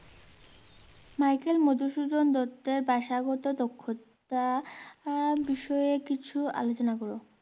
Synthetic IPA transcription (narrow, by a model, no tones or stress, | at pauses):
majkelmod̪uʃud͡ʑ̪ond̪ɔt̪ːeɾbaʃaɡɔt̪od̪okʰːot̪ | a | biʃɔekit͡ɕʰua̰lot͡ɕonakɔɾo